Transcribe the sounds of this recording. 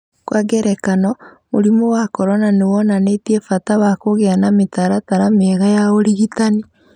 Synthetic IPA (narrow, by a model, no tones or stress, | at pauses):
kwaɡɛɾɛkanɔ | moɾimowakɔɾɔnanewɔnanetiɛfatawakoɣeanametaɾataɾamɛɣajaoɾiɣitani